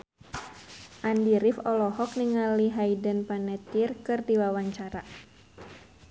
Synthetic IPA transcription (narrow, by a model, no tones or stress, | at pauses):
ʔandiɾifɔlɔɦɔk̚niŋaliɦaidənpanɛt̪irkɨrdiwawaɲt͡ʃaɾa